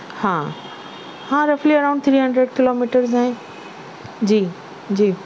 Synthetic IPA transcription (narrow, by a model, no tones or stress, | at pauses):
hãː | hãɾɐfliɐɾãːʊ̃ɳɖ̚t̪ʰɾiːɦə̃ɳɖɾeɖkɪloːmiːʈəɾzaɦẽ | d͡ʑiː | d͡ʑiː